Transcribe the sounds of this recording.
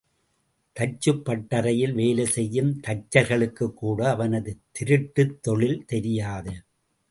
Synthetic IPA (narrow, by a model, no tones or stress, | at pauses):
t̪ɐt͡ʃːɯpːɐʈːɐɾɐjɪlʋeːlesɛjːɯmt̪ɐt͡ʃːɐɾɣɐɭɯkːɯkːuːɽɐːʋɐnɐðɯt̪ɪɾɯʈːɯt̪ːɔɭɪlt̪ɛɾɪjaːðɯ